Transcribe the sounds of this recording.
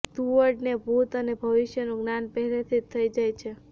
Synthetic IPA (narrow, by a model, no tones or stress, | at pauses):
t̪uʋəɾɖnebʱut̪ənebʱəʋiʃjənuɡnanpəɦɛlet̪ʰit̪ʰːəid͡ʒajt͡ʃʰe